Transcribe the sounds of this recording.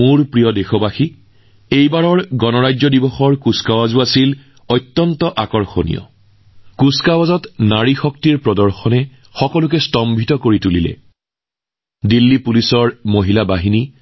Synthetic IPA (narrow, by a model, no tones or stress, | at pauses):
mʊɹpɹijɔdexɔbaxi | ejbaɹɔɹɡɔnɔɹajzɔdibɔxɔɹkuskawazʊasil | ɔjtːɔntɔʔakɔɹxonḭjɔ̰ | kuskawazɔtnaɹixɔk̚tiɹpɹɔdɔɹxɔnɛ | xɔkɔlʊk̬ɛstɔmbʱitɔkoɹitulilɛ̰ | dilːipulisɔɹmoɦilabaɦini